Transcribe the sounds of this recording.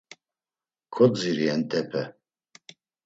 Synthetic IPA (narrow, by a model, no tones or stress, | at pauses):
kʰɔd͡ziɾiɛnt̪ʼɛpʰɛ